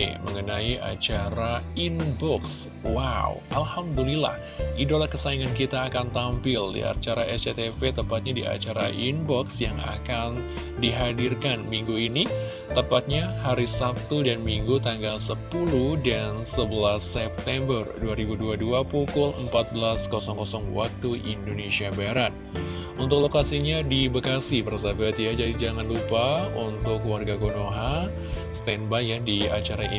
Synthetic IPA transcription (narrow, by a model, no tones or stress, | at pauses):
məŋənaiʔa̰t͡ʃaɾainbɔks | wawʔalhamd̪ulila̰h | idolahkəsaiŋankit̪aːkant̪ampɪldḭa̰rt͡ʃaɾaɛset̪efet̪əmpat̪̚ɲadia̰t͡ʃaɾaʔinbɔksjaŋa̰kan | diɦadirkanmiŋɡuini | t̪əpat̪̚ɲahaɾisap̚t̪udanmiŋɡut̪aŋɡalsəpuludansəbəlasɛp̚t̪ɛmbərduaɾibuduaduapukʊlə̰mpat̪̚bəlaskɔsɔŋkɔsɔŋwa̰k̚t̪uʔḭndonesiabaɾat̪̚ | unt̪ʊk̚lokasiɲadibəkasipəɾasabəat̪iad͡ʒadid͡ʒaŋanlupaunt̪ʊkːuwarɡaɡonoɦa | st̪ɛnbajadia̰t͡ʃaɾai